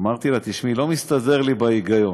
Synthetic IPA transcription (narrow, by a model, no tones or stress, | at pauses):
maʁt̪ilat̪iʃmilo̞mist̪aze̞ʁlibaiɡajo̞